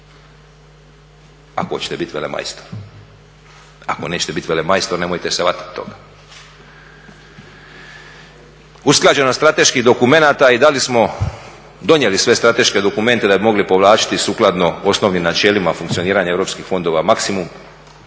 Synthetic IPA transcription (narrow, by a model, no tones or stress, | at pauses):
a̰kot͡ɕe̥t̪e̞bit̪ʋe̞lema̰jst̪o̥ɾ | a̰ko̞ne̞ːt͡ɕe̥t̪e̞bit̪ʋe̞lemajst̪oɾne̞mojt̪eseʋat̪i̥t̪ːo̞̰ɡa | usklˠaːd͡ʑe̞nost̪ɾat̪e̞ʃkiɦd̪o̞kume̞naːt̪aid̪alismo̞ | d̪o̞njelisʋe̞st̪ɾat̪e̞ʃke̞d̪o̞kume̞nt̪e̞d̪abimo̞ɡlipo̞ʋlˠaːt͡ʃi̥t̪isuːklˠad̪no̞osno̞ʋnimnat͡ʃe̞ːlimafuŋkt̪sio̞niːɾaɲeeʋɾo̞ːpskixfo̞nd̪o̞ʋamaksimum